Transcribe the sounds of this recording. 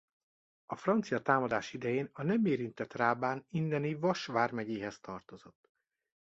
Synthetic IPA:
ɒfrɒnt̪sijɒt̪aːmɒd̪aːʃid̪ɛjeːnɒnɛmeːɾint̪ɛt̪raːbaːnind̪ɛnivɒʃʋaːrmɛɟeːɦɛst̪ɒrt̪o̞zo̞t̪ː

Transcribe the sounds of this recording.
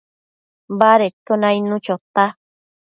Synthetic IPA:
baɾekonãinũt͡ʃot̪a

